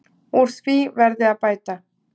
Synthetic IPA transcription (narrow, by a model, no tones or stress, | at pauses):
uɾspivɛɾðeapajt̪a